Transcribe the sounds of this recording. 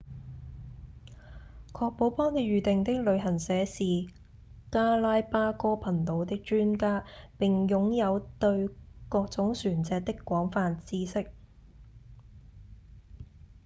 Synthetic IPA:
kʰɔː˧k̚po˨˥wpɔː˥ŋt̪e˨˧ɥyː˨˩t̪ɪ˨ŋt̪ɪ˥k̚lɵ˨˧ɥɦɐ˨˩nsɛː˨˧siː˨ | kaː˥laː˥jpaː˥kɔː˥pʰɐ˨˩nt̪o˨˧wt̪ɪ˥k̚t͡ʃyː˥nkaː˥pɪ˨ŋjʊ˨˥ŋjɐ˨˧wt̪ɵ˧ɥkɔː˧k̚t͡sʊ˨˥ŋsyː˨˩nt͡sɛː˨k̚t̪ɪ˥kːʷɔː˨˥ŋfaː˧nt͡siː˥sɪ˥k̚

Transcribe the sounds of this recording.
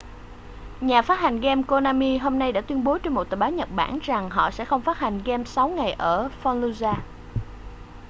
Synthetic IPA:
ɲaː˨˩faː˦˥t̚ha˨˩ŋ̟ɣɛ˧mko˧naː˧mi˧ɦo˧mna˧jɗa̰ː˧˥t̪wi˧ənɓo˨˦t͡ɕɔ˧nmo˨˩t̪əː˨˩ɓːwɲə˨˩t̚ɓa̰ː˧˩˨nza˨˩ŋɦɔ̰˧˨sɛ̰˧˥xə˧wŋ͡mfaː˦˥t̚ha˨˩jŋ̟ɣɛ˧msa˨˦wŋa˨˩jʔəː˧˩fɔ˧nlu˧zaː˧

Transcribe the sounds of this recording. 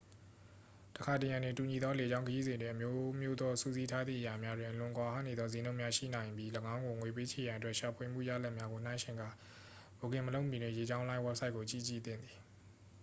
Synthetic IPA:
təkʰa˨tɪ˨jã˨ndwɪ̃˨ntu˨ɲi˨d̪ðɔ˦le˨d͡ʑã˦ʊ̃ŋkʰəji˦zɪ̃˨ndwɪ̃˨ʔə˨mjo˦mjo˦d̪ɔ˦sṵ˦˨zi˦tʰa˦d̪ðḭ˦˨ʔəja˨mja˦dwɪ̃˨ʔəlʊ̃˨ʔkwa˨ha̰˦˨ne˨d̪ðɔ˦zẽ˨nõ˦ʊʔmja˦ʃḭ˦˨nã˨ɪ̃mbji˦ləɡã˦ʊ̃ŋɡo˨ŋwe˨p̬e˦t͡ɕʰe˨jã˨ʔətwɛ˦ʔʃa˨pʰwe˨mṵ˦˨ja̰˦˨la˦ʔmja˦ɡo˨n̥ã˦ɪ̃ʃʰɪ̃˨ŋɡa̰˦˨ | bo˨kɪ̃˨məlõ˦ʊmjĩ˨nɪ̰̃˦˨je˨d͡ʑã˦ʊ̃lã˦ɪ̃wɛ˦p̚sa˦ɪkːo˨t͡ɕḭ˦˨t͡ɕḭ˦˨d̪ɪ̰̃˦˨d̪ði˨

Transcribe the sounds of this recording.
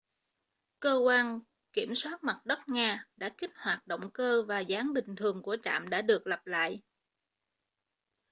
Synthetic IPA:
kəː˧kwaː˧n | ki˧˩əmswaː˦˥t̚ma˨˩t̚ɗə˦˥k͡p̚ŋaː˧ɗa̰ː˧˥kï˦˥k̟̚hwaː˨˩t̚ɗo̰˧˨wŋ͡mkəː˧vaː˨˩zaː˨˦ŋɓï˨˩ŋ̟t̪ʰɨ˨˩əŋku˧˩ət͡ɕa̰ː˧˨mɗa̰ː˧˥ɗɨ˨˩ək̚lə˨˩p̚la̰ː˧˨jʔ

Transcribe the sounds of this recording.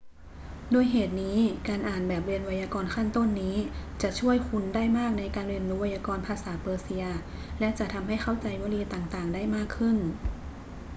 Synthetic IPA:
doː˧əjɦeː˨˩t̪̚niː˦˥kaː˧nʔaː˨˩nbɛː˨˩p̚li˧ənwa˧jaː˧kɔː˧nkʰa˥˩nt̪o˥˩˨nːiː˦˥t͡ɕa˨˩ʔt͡ɕʰu˥˩əjkʰu˧ndaː˥˩jmaː˥˩k̚na˧jkaː˧nli˧ənluː˧wa˧jaː˧kɔː˧npʰaː˧saː˩˦pɤː˧si˧ɐ | lɛ˦˥ʔt͡ɕa˨˩ʔt̪ʰa˧mɦa˥˩jxʰa˥˩wt͡ɕa˧jwaː˧˥liː˧t̪aː˨˩ŋt̪aː˨˩ŋdaː˥˩jmaː˥˩kʰːɯ˥˩n

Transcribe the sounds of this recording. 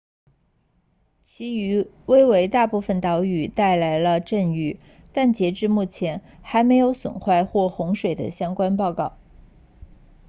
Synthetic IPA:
t͡ɕʰi˧˥y˧˥ | we˥ɪwe˧˥ɪt̪a˥˧pu˥˩fə˩nt̪ɑ˧˥ʊy˨˩t̪a˥˩ɪla˧˥ɪlə˧ʈ͡ʂə˥˧ny˥˩ | t̪a˥˩nt͡ɕjɛ˧˥ʈ͡ʂɻ̩˥˧mu˥˩t͡ɕʰjɛ˧˥n | xa˧˥ɪme˧˥ɪjo˧˥ʊswə̰˨˩nxwa˥˧ɪxwɔ˥˩xʊ˧˥ŋʂwe˨˩ɪd̪ə̰˦ɕjɑ˥ŋkwa˥npɑ˥˧ʊkɑ˥˩ʊ

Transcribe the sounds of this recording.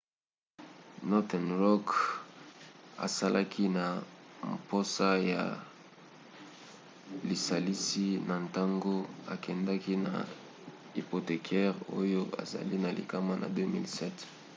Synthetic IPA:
nɔ˦tɛ˨nʁɔ˦k | a̰˨sa˦lʔa˦kʰi˦na˨mpo˦sa˦ja̰˨ | li˨sa˨li˦si˦na˨nta˦ŋɡo˦a̰˨kɛ˨nda˦ki˦na̰˨ | hi˨po˨te˨kʰɛ˦ʁo̰˦jo˦a̰˨za̰˨li˦na˨lḭ˨ka˦ma˦nʔa̰˨dø˦mḭ˦lsɛ˦t

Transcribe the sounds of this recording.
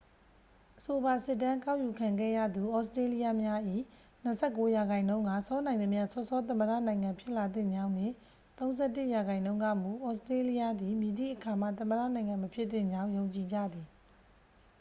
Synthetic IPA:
ʔəso˨ba˨sɪ˦˨tːã˦ŋka˦ʊʔju˨kʰã˨ŋɡɛ̰˦˨jä̰˦˨d̪u˨ʔɔ˦sətɹe˦li˦ja˦mja˦ʔḭ˦˨ | n̥ə˨sʰɛ˦˨kːo˦ja˨ɡã˨ɪ̃nõ˦ʊ̃ŋɡa̰˦˨sɔ˦nã˨ɪ̃nə˨mja˦˨sɔ˦sɔ˦t̪̬ə̃˨məda̰˦˨nã˨ɪ̃ŋã˨mpʰjɪ˦ʔla˨d̪ɪ̃˦˨ɲd͡ʑã˦ʊ̃n̥ɪ̰̃˦˨ | t̪õ˦ʊ̃nzɛ˦˨tɪ˦ʔja˨ɡã˨ɪ̃nõ˦ʊ̃ŋɡa˦˨mu˨ʔɔ˦˨stɹe˦li˦ja˦d̪i˨mji˨d̪ḭ˦˨ʔəkʰa˨m̥a̰˦˨t̪ə̃˨məda̰˦˨nã˨ɪ̃ŋã˨məpʰjɪ˦ʔt̪ɪ̰̃˦˨ɲd͡ʑã˦ʊ̃jõ˨ʊ̃ɲt͡ɕi˨d͡ʑa̰˦˨d̪i˨

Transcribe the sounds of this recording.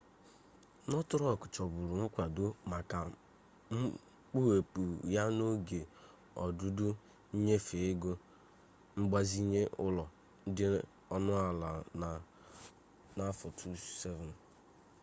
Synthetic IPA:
nɔ˦tʊ˦ɾɔ˦˨kʊ̥˨t͡ʃɔ˨bʊ˨ɾʊ˨ŋ̩˦kʷa˨dʊ˦ma˨ka˨ | ŋ͡m̩˦ | k͡pu˦we˨pu˨ja˦no˦ɡe˨ | ɔ̰˨dʊ˦dʊ˦ | ɲe˦fe˨ɪ˦ɡo˦ | ŋ͡m̩˦ɡ͡ba˦zi˦ɲe˦ʔʊ˦lɔ˨ | n̩˦dɪ˦ | ɔ˦nʊ˦a˨la˨na˨ | na˦fɔ˨tʰu˦se˦vɛ˨n˨

